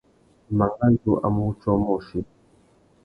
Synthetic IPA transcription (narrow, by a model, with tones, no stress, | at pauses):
ma˨ŋɡa˦d͡ʒo˦˨ʔa̰˨mu˦t͡ʃɔ˦mɔ˦˨ʃi˦